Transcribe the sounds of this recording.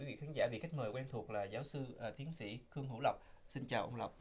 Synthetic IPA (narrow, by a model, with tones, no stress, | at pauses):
wi˨˦vḭ˧˨xaː˨˦nza̰ː˧˩ɓḭ˧˨ka˦˥k̚məː˨˩jkwɛ˧nt̪ʰu˨˩ək̚laː˨˩zaː˨˦wsɨ˧˨˩t̪i˨˦ənsḭ˧˥xɨ˧əŋɦṵ˧˥˩lə˨˩wk͡p̚ | si˧nt͡ɕaː˨˩wʔə̰˧wŋ͡mlə̰˨˩wk͡p̚